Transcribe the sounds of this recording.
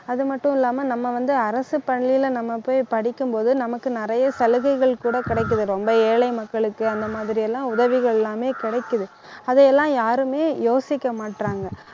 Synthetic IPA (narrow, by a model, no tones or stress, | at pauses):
ɐðɯmɐʈːʊ̃ɪlːaːmɐnɐmːɐʋɐnd̪ɯɐɾɐsɯpɐɳlɪjɪlnɐmːɐpoːjpɐɽɪkːɯmpoːðɯnɐmɐkːɯnɪɾɐjɐsɐlɯɣɐɪɣɐɭkuːɽɐkɪɽɐɪkːɯðɯɾɔmbɐeːlɐɪmɐkːɐɭɯkːɯɐnd̪ɐmaːðɪɾɪjɛlːãːʊðɐʋɪɣɐɭɛlːãːmeːkɪɽɐɪkːɯðɯ | ɐðɛɛlːãːjaːɾɯmeːjoːsɪkːɐmaːʈɾaːŋɡɐ